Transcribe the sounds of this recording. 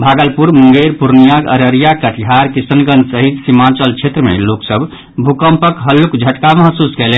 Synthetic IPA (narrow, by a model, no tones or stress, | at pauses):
bʱaɡəlpuɾmuŋɡeɾpuɾnijakə̰ɾəɾijakəʈʰɦaɾkisənɡənd̪səɦid̪simat͡ʃəlt͡ʃʰet̪ɾəmḛloksəb | bʱukəmpəkɦəlːukd͡ʒʱəʈkaməɦsuskelɛ